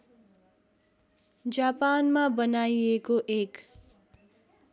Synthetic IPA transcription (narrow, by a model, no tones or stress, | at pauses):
d͡zapanmabʌnajekoʔek